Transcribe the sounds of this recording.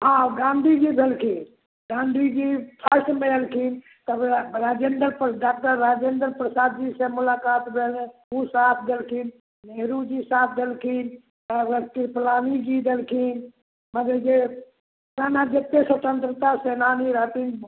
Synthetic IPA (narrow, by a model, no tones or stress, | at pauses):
ɦãɡãnd̪ʱid͡ʒibʱelkʰin | ɡãnd̪ʱid͡ʒipʰəsmeelkʰin | t̪əbɾad͡ʒend̪əɾpɖakʈ̪əːad͡ʒend̪əɾpɾəsad̪d͡ʒisẽmulakat̪bʱelũsat̪ʰd̪elkʰin | neɦɾud͡ʒisat̪ʰd̪elkʰin | əəkiɾplanid͡ʒid̪elkʰin | məd̪ed͡ʒe | ɾanad͡ʒet̪ːesət̪ənt̪ɾət̪asenaniɾat̪in